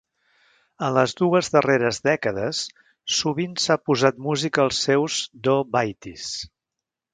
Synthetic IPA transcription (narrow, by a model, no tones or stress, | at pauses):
ənləzðuəzðəreɾəzðɛkəðəsː | uβinsapuzat̪muzikəːlˠsɛwzd̪obajt̪is